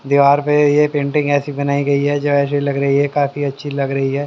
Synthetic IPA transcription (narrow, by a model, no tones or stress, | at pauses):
d̪iʋaːɾpejepẽːɳʈɪ̃ŋɡɛːsibɐnaːiɡɐiɦɛd͡ʒoɛːs̬ilɐɡɾɐɦiɦɛkaːfiɐtːʃʰilɐɡɾɐɦiɦɛː